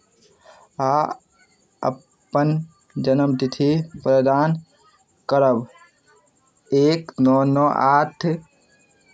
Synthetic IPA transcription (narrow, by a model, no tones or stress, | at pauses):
a | ə̰pː | ən | d͡ʒɐnəmd̪it̪ʰipɾəd̪aːn | kəɾəb | eːknɔːnɔːʔaːt̪ʰ